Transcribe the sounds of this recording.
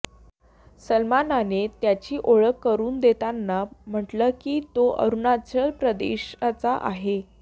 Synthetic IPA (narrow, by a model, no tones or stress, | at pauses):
səlmananet̪jat͡ɕiːʔoɭəkːəɾuːnd̪et̪anːam̤əʈləːkiːt̪oʔə̰ɾunat͡ɕəlpɾəd̪ḛɕat͡saʔaɦe